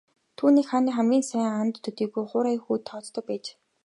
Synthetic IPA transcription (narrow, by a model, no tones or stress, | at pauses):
t̪ʰuːniːkχaːniːχæmɡʲiːnsæːŋant̪ʰːɵt̪iːɣujχʊːɾajxuːt̪ʰːɔːt͡st̪ʰɞ̆k̚pæːt͡ɕ